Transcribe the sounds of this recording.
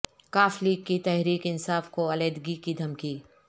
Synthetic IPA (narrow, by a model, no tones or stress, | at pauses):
kaːfliːkːit̪ɛɦɾiːkɪnsaːfkoɐleːd̪ɡikid̪ʱɐmkiː